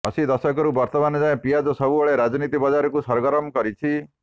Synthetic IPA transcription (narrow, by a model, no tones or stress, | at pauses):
ɔsid̪ɔsɔkɔɾubɔɾt̪ɔmanɔd͡ʒaẽpijad͡ʒɔsɔbubɔɭeɾad͡ʒɔnit̪ibɔd͡ʒaɾɔkusɔɾɡɔɾɔmkɔɾit͡ʃʰi